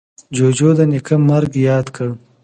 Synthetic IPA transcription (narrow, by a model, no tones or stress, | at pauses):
d͡ʒoːd͡ʒoːd̪ɐnikʰɐmɐɾɡjɑːd̪kʰə